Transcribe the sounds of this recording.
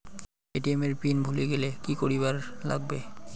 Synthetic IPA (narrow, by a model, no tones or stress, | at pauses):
eʈiemeɾpinbʱuleɡelekikoɾibaɾla̰ɡ̚be